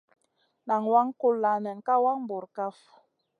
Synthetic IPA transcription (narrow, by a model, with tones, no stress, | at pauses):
na˨ŋwa˦ŋ˦ko˦lːa˨nɛ˨ŋ̩˨ka˦wa˦ŋ˦bo˨ɾka˦f